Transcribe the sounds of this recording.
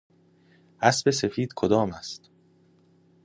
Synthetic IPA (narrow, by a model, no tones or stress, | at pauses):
ʔæsbe̞se̞fiːd̪̥kʰod̪ɒːmæst̪